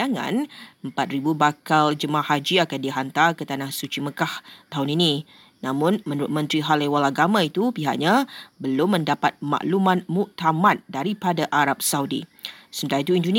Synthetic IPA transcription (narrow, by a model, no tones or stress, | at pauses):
aŋã̰nəmpat̪̚ɾibubakald͡ʒəmahad͡ʒiakandiɦant̪arkət̪anahsut͡ʃiməkaht̪aɦʊnini | nãmʊ̃nmə̃nuɾʊt̪̚mə̃nt̪ɾiɦalewalaɡamãit̪upiɦa̰ʔɲabəlʊmːə̃ndapat̪̚ma̰ʔlumãnmuʔt̪amãt̪̚daɾipadaʔaɾap̚saudḭsəmənt̪aɾait̪uindun